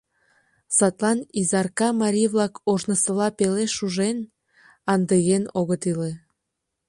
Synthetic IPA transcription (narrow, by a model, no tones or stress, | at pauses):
sɑt̪lɑnizɑrkɑmɑɾʲijβlɑkoʒnəsəlɑpeleʃuʒen | ɑnd̪eɣenoɣət̪ile